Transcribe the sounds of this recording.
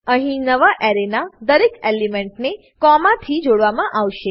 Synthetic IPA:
ə̃ɦĩnəʋaʔɛɾenad̪əɾekelimɛ̃ɳʈne | kɔmãt̪ʰid͡ʒoɽʋamãʔaʋʃe

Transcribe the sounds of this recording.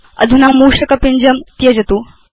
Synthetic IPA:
ɐ̰d̪ʱunaːmuːʂɐkɐpiɲd͡ʒɐmt̪ijɐd͡ʒɐt̪uː

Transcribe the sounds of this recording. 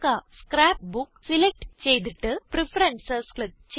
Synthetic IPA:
kaskɾaːp̚buksilek̚ʈt͡ɕejt̪̬iʈːɨpɾɪfɐɾɐnsɐskɭɨ | t͡ɕ

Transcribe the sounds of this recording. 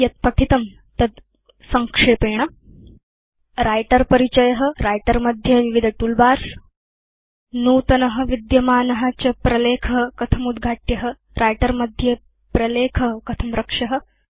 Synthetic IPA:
jɐt̪̚pɐʈʰit̪ɐm | t̪ɐd̪ | sɐŋkʂeːpeːɳa | ɾajʈɐɾpɐɾit͡ɕɐjɐɦɐ̆ɾajʈɐɾmɐd̪ʱjɐʋiʋid̪ʱɐʈuːlbaːɾs | nuːt̪ɐnɐɦɐ̆ʋid̪jɐmaːnɐɦat͡ɕɐpɾɐleːkʰɐɦkɐt̪ʰɐmud̪ɡʱaːʈjɐɦə | ɾʔajʈɐɾmɐd̪ʱjɐ | pɾɐleːkʰɐɦkɐt̪ʰɐmɾɐkʂɐɦə̆

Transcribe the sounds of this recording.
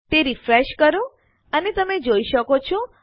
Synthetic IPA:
t̪eɾifɾeʃkəɾũ | ənet̪əmed͡ʒoiʃəkot͡ʃʰɔ̃

